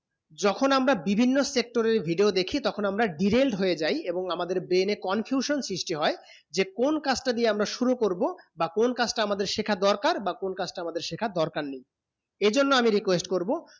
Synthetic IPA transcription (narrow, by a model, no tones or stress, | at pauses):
d͡ʑɔkʰonamɾabibʱinːosek̚ʈoɾeɾbʱiɖiod̪ekʰit̪ɔkʰonamɾaɖiɾelɖɦojed͡ʑajeboŋamad̪eɾbɾenekɔnfʰjuʃonsɾiʃʈiɦɔe | d͡ʑekonkat͡ɕʈad̪ieamɾaʃuɾukoɾbobakonkat͡ɕʈaamad̪eɾʃekʰad̪ɔɾkaɾbakonkat͡ɕʈaamad̪eɾʃekʰad̪ɔɾkaɾnij | ed͡ʑonːoamiɾikwesʈkoɾbo